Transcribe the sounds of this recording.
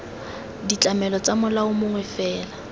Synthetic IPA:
dit͡ɬʼamɛlɔt͡sʼamʊlaʊmʊŋwɛfɛːla

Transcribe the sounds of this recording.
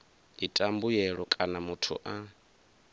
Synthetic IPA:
itʼambujɛɺɔkʼanamutʰṵʔa

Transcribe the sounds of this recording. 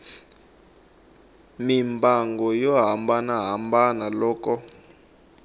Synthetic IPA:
mimbaŋɡɔjɔɦambanaɦambanalɔːkɔ

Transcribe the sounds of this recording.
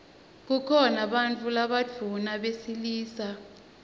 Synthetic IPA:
k̬ukʰɔnaɓant͡fʰʼulaɓad̥d͡v̥ʱunaɓesiliːsa

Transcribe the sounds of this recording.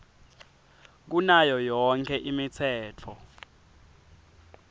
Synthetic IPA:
k̬unajɔjɔŋkʰɛʔimit͡sʰɛːtʰɔ

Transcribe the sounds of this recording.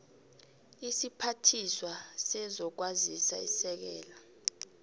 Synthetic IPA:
isipʰatʰiswasɛzɔk̬wazisa̰ḭsɛk̬ɛːla

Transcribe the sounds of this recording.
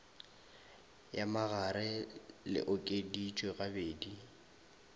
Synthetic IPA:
jamaɣaɾɪlɪ̰ʔʊkʼedit͡ʃʼweɣabeːdi

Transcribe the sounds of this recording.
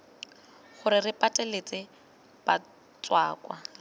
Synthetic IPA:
χʊɾɪrɪpʼatʼɛlet͡sʼɪ | pa | t͡sʼwaːkʼwa

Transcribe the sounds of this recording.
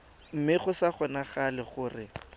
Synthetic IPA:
m̩mɪχʊsaχɔnaχalɪχʊrɪ

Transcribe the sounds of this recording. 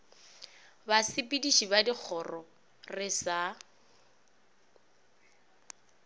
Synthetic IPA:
basɪpʼidiʃibadik͡xʰɔrɔ | rɪsa

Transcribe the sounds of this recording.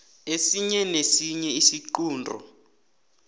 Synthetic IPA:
esiɲɛnesiɲɛisiǃuːndʱɔ̰

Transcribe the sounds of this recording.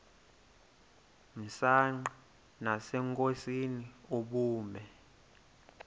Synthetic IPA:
m̩saŋ͡ǃa | nasɛŋkʼosiniuɓuːmɛ

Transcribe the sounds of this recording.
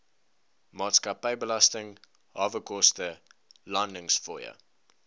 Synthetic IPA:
mɑːtskɐpəjbəlɐstəŋ | ɦɑːvəkɔstəlɐndəŋsfɔjə̰

